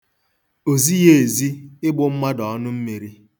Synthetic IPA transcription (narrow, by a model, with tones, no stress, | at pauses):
o˨zi˦je˦e˨zi˦ɪ˦ɡ͡bʊ˦m̩˦ma˦dɔ˨ɔ˦nʊ˦m̩˦me˨ɾi˦